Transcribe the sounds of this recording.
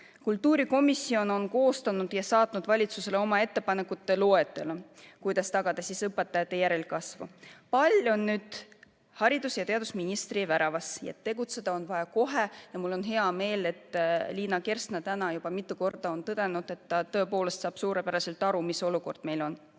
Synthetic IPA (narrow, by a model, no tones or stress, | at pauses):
kult̪ːuːɾiko̞misːio̞no̞nko̞ːst̪ɑnud̪̥jɑsɑːt̪nud̪̥vɑlʲit̪suse̞leo̞mɑe̞t̪ːe̞pɑne̞kːut̪ːˑe̞loet̪ːˑe̞lekujd̪̥ɑst̪ɑɡ̥ɑd̪̥ɑsisɤpːet̪ːɑjɑt̪ːe̞jæɾe̞lkɑsvṵpɑlʲo̞nːyːd̪̥ | hɑɾid̪usjɑt̪e̞ɑd̪usminist̪rivæɾɑvɑsjɑ̰t̪ːe̞ɡut̪se̞d̪̥ɑo̞nvɑjɑko̞ɦe̞jɑmulːo̞nɦe̞ɑme̞ːle̞t̪ːˑliːnɑke̞rsnɑt̪ænɑjub̥ɑmit̪ːˑuko̞rd̪̥ɑo̞nt̪ɤd̪̥e̞nud̪̥e̞t̪ːɑt̪ø̞po̞ːle̞st̪sɑːb̥suːɾe̞pæɾɑse̞lt̪ːˑɑɾumiso̞luko̞rd̪̥me̞jlo̞n